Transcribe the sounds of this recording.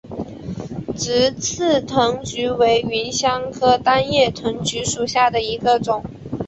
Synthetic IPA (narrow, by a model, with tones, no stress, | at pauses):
ʈ͡ʂɻ̩˧˥t͡s̩ʰ˥˩t̪ʰɤ˧˥ŋt͡ɕy˧˥we˧˥ɪi˧˥nɕjɑ˥ŋkʰɤ˥t̪a˥njɛ˥˩t̪ʰɤ˧˥ŋt͡ɕy˧˥ʂu˨˩ɕja˥˩d̪ə˩i˧˥ɡə˧ʈ͡ʂʊ˨˩˦ŋ